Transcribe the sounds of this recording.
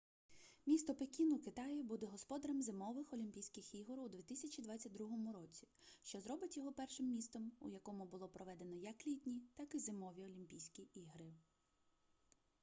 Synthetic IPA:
mʲist̪ɔpekʲinukɪt̪ɑjibud̪ɛɦɔspɔd̪ɐɾɛmzemɔʋɪxɔlʲimʲpʲijsʲkʲɪxiɦɔɾwd̪ʲʋʲit̪ɪsʲɐt͡ʃʲid̪ʋɑt͡sʲːɐt̚ʲd̪ɾuɦɔmʊɾɔt͡sʲi̥ | ʃt͡ʃɔzɾɔbɪtʲjɔɦɔpɛrʃɪmːʲist̪ɔmṵjɐkɔmʊbʊlˠɔpɾɔʋɛd̪e̞nɔjɐklʲit̪ʲnʲit̪ɑkɪzɪmɔʋʲiɔlʲimʲpʲijsʲkʲiiɦɾɪ

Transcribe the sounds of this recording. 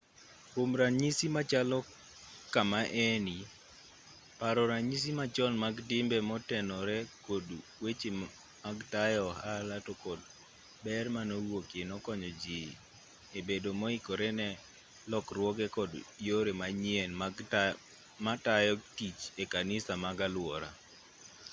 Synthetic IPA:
komɾaɲisimat͡ʃalɔ | kamaʔɛni | paɾɔɾaɲis̬imat͡ʃɔnmaɡdɪmbɛmɔtɛnɔɾɛkodwet͡ʃe | maɡtajɔhalatokɔd | bɛrmanowokenɔkɔɲɔd͡ʒi | ebedomɔikoɾɛnɛ | lɔkrwɔɡɛkɔdjoɾemaɲiɛn | matajɔtit͡ʃekanɪsamaɡalwɔɾa̰

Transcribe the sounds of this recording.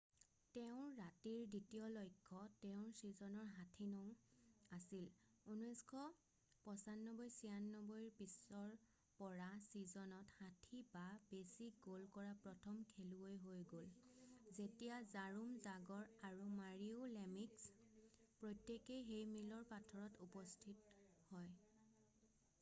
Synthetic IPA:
tɛʊ̃ɹatiɹditijɔlojkʰːɔtɛʊ̃ɹsizɔnɔɹɦatʰinɔ̃asil | unɔskʰɔ | pɔsanːɔbɔjsijanːɔbojɹpisɔɹ | pɔɹasizɔnɔthatʰibabesik̚ɡolkɔɹapɹɔtʰɔmkʰeluojɦojɡolzetijazaɹumzaɡɔɹaɹumaɹiolemikspɹojtːekejɦejmilɔɹpatʰɔɹɔtupɔstʰithɔj

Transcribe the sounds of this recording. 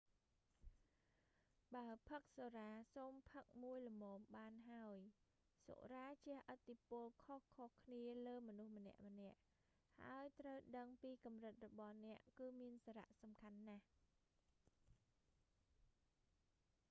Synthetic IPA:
ɓaəpʰək̚soːɾaːsoːmpʰək̚muəjlɔmɔːmɓaːnɦaəj | so̰ʔraːt͡ɕɛ̆əhʔət̪ːipʊ̆əlkʰohkʰohkʰniələːmɔnuhmənɛ̆əʔmə̆nɛ̆əʔ | ha̰əjt̪rəwɗəŋpiːkɑmrɨt̪̚rɔɓɑhnɛ̆əʔkɨːmiənsaːɾa̰ʔsɑmkʰanːah

